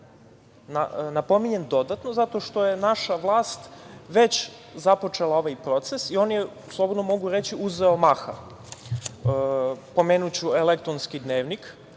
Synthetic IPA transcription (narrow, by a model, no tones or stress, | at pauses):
nanapo̞miɲe̞nd̪o̞d̪at̪nozat̪o̞ʃt̪o̞jenaʃaʋlˠaːst̪ʋe̞t͡ɕzapo̞t͡ʂelao̞ʋajpɾo̞t̪sesio̞ːnje | slˠobod̪nomo̞ɡuɾe̞t͡ɕiuzeomaxa̰ | po̞meːnut͡ɕuelek̚t̪ɾonskid̪neːʋnik